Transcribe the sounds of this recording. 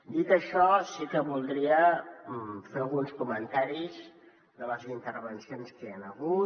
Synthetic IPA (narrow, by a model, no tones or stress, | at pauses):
d̪it̪əʃɔsikəβulˠd̪ɾiə | feəlˠɣunskumənt̪aɾiz | d̪ələzint̪əɾβənsionskeanəɣu